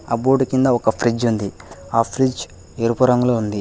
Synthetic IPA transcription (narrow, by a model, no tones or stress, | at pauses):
ɐboːɖukind̪ɐɔkɐpʰɾid͡ʒund̪iaːpʰɾid͡ʒ | eɾupuɾɐŋɡloːund̪i